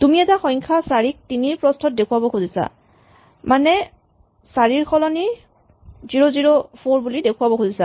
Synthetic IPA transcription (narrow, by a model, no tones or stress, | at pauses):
tumiɛtaxɔjŋkʰasaɹik̚tiniɹpɹɔstʰɔt̚dekʰuwabɔkʰuzisa̰ | manɛ | saɹiɹkʰɔlɔni | ziɹɔziɹopʰoɹbulidekʰuwabɔkʰuzisa